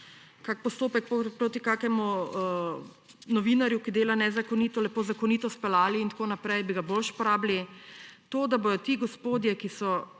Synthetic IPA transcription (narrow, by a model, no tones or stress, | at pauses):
kak̚pɔst̪oːpɛk̚popɾoːt̪ikaːkɛmu | nɔʋiːnaɾjukid̪eːlanɛzakɔniːt̪ɔlɛpoːzakɔniːt̪ɔspɛlaːliːnt̪akoːnapɾɛjbiɡabolʃpɔɾaːblit̪oːd̪abojɔt̪iɡɔspoːd̪jɛkisɔ